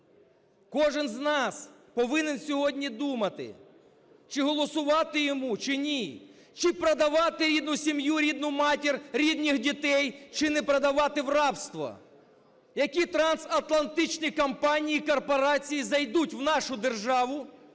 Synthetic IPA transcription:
kɔʒɪnznɑspɔʋɪnensʲɔɦɔdʲnʲid̪umɐt̪ɪ̰ | t͡ʃɪɦɔlˠɔsʊʋɑt̪ɪjɔmut͡ʃɪnʲi | t͡ʃɪpɾɐd̪ɐʋɑt̪ɪɾʲid̪nʊsʲimjuɾʲid̪nʊmɑtʲirɾʲid̪nʲixdʲit̪ɛjt͡ʃɪnɛpɾɐd̪ɐʋɑt̪ɪʋrɑpst̪ʋɐ̰ | jɐkʲit̪ɾɐnsɐt̪lˠɐnt̪ɪt͡ʃnʲikɐmpɑnʲijikɔrpɔɾɑt͡sʲijizɐjd̪utʲwnɑʃʊd̪erʒɑʋʊ

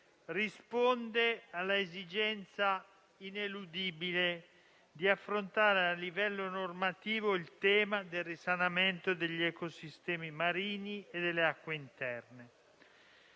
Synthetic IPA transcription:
rispond̪ealːaezid͡ʒɛnt̪sa | inelud̪iːbile | d̪iafːɾont̪aːɾealːivɛlːonormat̪iːvoilt̪ɛːmad̪elrisanament̪od̪eʎːɛkosist̪ɛːmimaɾiːnied̪elːeakːweint̪ɛrne

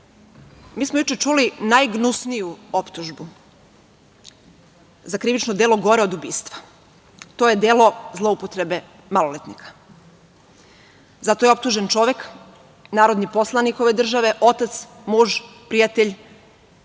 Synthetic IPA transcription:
miːsmojut͡ʃet͡ʃulinajɡnusnijuo̞pt̪uʒbu | zakɾiʋit͡ʃnod̪eːlˠo̞ɡo̞ɾeo̞d̪ubiːst̪ʋḁ | t̪ojed̪eːlo̞zlˠo̞upot̪ɾebe | malolet̪nikʰḁ | zat̪o̞jeo̞p̚t̪uʒent͡ʃo̞ʋe̞k | naːɾo̞d̪nipo̞slˠaniko̞ʋe̞d̪r̩ʒaʋe̞ʔo̞t̪at̪s | muːʒpɾijat̪eʎʲ

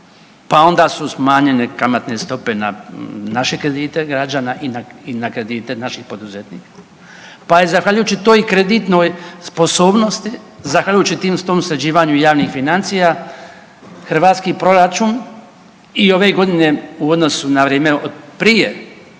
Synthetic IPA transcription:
pao̞nd̪aːsusmaːɲenekamat̪ne̞st̪o̞pe̞nanaʃekɾed̪iːt̪eɡɾad͡ʒaːnaʔinainakɾe̞d̪it̪enaʃixpo̞d̪uzet̪niːkḁ | paizaxʋaʎujuːt͡ʃit̪oːjkɾe̞d̪it̪no̞ːjspo̞soːbno̞st̪i | zaxʋaʎujuːt͡ʃit̪iːmst̪oːmsɾed͡ʑiːʋaɲujaːʋnixfinant̪sija | xr̩ʋaːt̪skiːpɾo̞ɾat͡ʃun | io̞ʋe̞ɡo̞d̪ine̞uo̞d̪no̞sunaʋɾjeːmeod̪pɾije

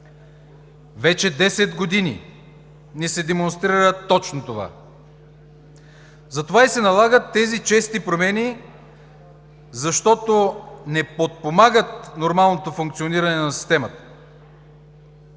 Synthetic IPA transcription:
vɛt͡ʃɛd̪ɛsɛd̪ɡod̪inḭ | nɛsɛd̪ɛmonst̪ɾiɾəɾət̪ːɔt͡ʃnot̪ova̰ | zɐt̪ovaisɛnɐlˠaɡət̪ːɛzit͡ʃɛst̪ipɾomɛnʲi | zɐʃt̪ɔt̪onɛpot̪̚pomaɡət̪̚noɾmalˠnot̪ofuŋkt̪sioniɾɐnɛnɐsi̥st̪ɛmət̪ə̥

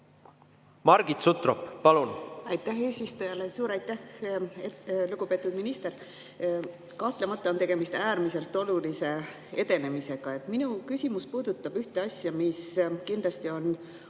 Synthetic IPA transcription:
mɑɾɡ̥it̪sut̪roppɑlunɑjt̪ːˑæhe̞ːsist̪ujɑle̞suːɾɑjt̪ːæheluɡ̥upe̞ːt̪ːˑud̪minist̪e̞r | kɑht̪le̞mɑt̪ˑːɑont̪e̞ɡ̥e̞mist̪æːɾmise̞lt̪ːˑo̞lulise̞ | e̞d̪e̞ne̞mise̞ɡ̥ɑe̞t̪ːˑminukysʲimuspuːd̪̥ut̪ːˑɑb̥yht̪e̞ɑsʲjɑmiskind̪lɑst̪io̞n

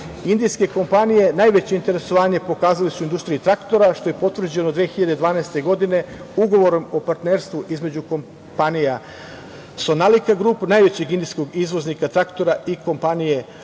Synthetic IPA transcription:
ind̪ijske̞ko̞mpanije̞naːjʋe̞t͡ɕe̞int̪e̞ɾe̞so̞ʋaːɲe̞po̞kaːzalisuind̪ust̪ɾiit̪ɾakt̪o̞ɾaʃt̪o̞je̞po̞t̪ʋr̩d͡ʑe̞nod̪ʋeːxiʎad̪ed̪ʋaːnaest̪e̞ɡo̞d̪ine̞ | uɡo̞ʋo̞ɾo̞mo̞paɾt̪neːɾst̪ʋuʔizme̞d͡ʑuko̞m | panija | so̞nalikaɡɾuːpnajʋe̞t͡ɕeɡind̪ijsko̞ɡizʋo̞znikat̪ɾakt̪o̞ɾaʔiko̞mpanije̞

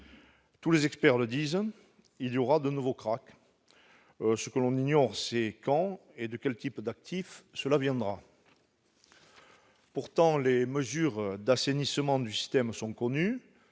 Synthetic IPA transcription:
t̪ulezɛkspɛʁləd̪iz | iljɔʁad̪ənuvokχak | səkəlɔ̃niɲɔʁsekɑ̃ed̪əkʲɛlt̪ipd̪ak̚t̪ʰifsəlavjɛ̃d̪ʁa | puʁt̪ɑ̃leməzyʁd̪asenisəmɑ̃d̪ysi̥st̪ɛmsɔ̃kɔny

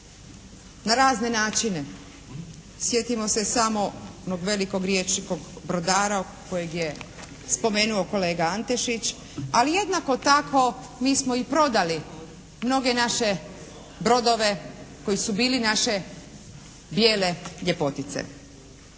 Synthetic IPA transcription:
naɾaːzne̞naːt͡ʃine̞ | sje̞t̪imo̞se̞samo̞onoɡʋe̞liko̞ɡɾjeːt͡ʃniko̞ɡbɾo̞d̪aːɾa | ko̞jeɡje | spo̞me̞ːnuoko̞le̞ːɡaant̪eʃit͡ʃ | alije̞d̪nako̞t̪akʋo̞ | miːsmo̞ipɾo̞d̪ali | mno̞ɡe̞naʃe̞ | bɾo̞d̪o̞ʋe̞ko̞jisubiːlinaʃe̞ | bjeːle̞ʎe̞po̞t̪it̪sḛ

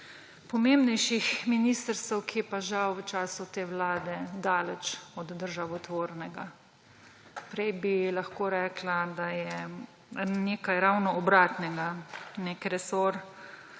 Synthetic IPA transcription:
pɔmembnɛjʃixminiːst̪əɾst̪əwkʰijɛpaʒawʋət͡ʃaːsut̪eːwlaːd̪ɛd̪aːlɛt͡ʃɔd̪ːəɾʒaʋɔt̪ʋoːɾnɛɡa | pɾɛjbilaxkoːɾɛːklad̪ajɛ | neːkajɾawnɔɔbɾaːt̪nɛɡaneːkɾɛsoɾ

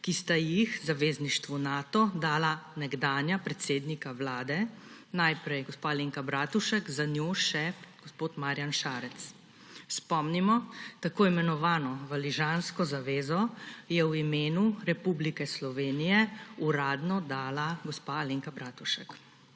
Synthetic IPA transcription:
kist̪ajixzaʋeːzniʃt̪ʋunaːt̪ɔd̪aːlanɛɡd̪aːnjapɾɛt̪seːd̪nikaʋlaːd̪ɛnajpɾɛjɡɔspaːleːŋkabɾaːt̪uʃəkzanjoːʃɛɡ̥ɔspoːt̪maɾjanʃaːɾɛt̪s | spɔmnimɔt̪akoːimɛnɔʋaːnɔʋaliʒaːnskɔzaʋeːzɔjɛwimeːnuɾɛpublikɛslɔʋeːnijɛuɾaːd̪nɔd̪aːlaɡɔspaleŋkabɾaːt̪uʃək

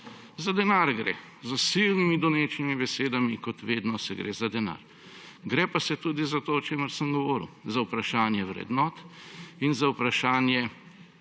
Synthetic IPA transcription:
zad̪ɛnaːɾɡɾḛː | zəsilnimid̪uneːt͡ʃnimibɛseːd̪amikɔt̪ʋeːd̪nɔsɛɡɾʔḛːzad̪ɛna̰ːɾ | ɡɾɛːpasɛt̪uːd̪izat̪oːɔt͡ʃeːməɾsəmɡɔʋɔːɾḭwzawpɾaʃaːnjɛwɾɛ̰d̪nɔːt̪inzaupɾaʃaːnjɛ

